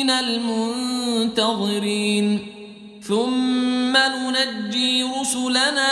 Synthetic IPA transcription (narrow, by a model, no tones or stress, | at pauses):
nalmʊnt̪aðˤɨɾiːn | θʊmːanʊnadːiːɾʊsʊlanaː